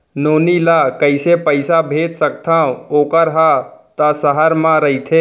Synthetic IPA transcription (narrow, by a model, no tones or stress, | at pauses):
noːnilakəɪsepəɪsabʱeːt̪sək̚t̪ʰãːõoːkəɾɦat̪asəɦəɾmãɾəit̪ʰeː